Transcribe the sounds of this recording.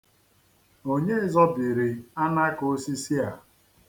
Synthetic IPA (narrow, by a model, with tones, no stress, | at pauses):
o˦ɲe˦zɔ˦bi˨ɾi˨a˦na˦ko˨˦si˦si˦a˨